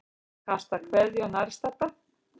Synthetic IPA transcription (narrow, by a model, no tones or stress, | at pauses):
hḁst̪akʰvɛɾðjanaɾst̪at̪a